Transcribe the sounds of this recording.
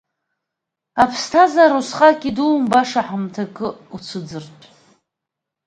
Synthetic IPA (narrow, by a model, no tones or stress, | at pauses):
apʰstʰazaɾusχakʲʼiduːmbaʂaħamtʰakʼɨut͡sʷʰɨd͡zɨrtʼ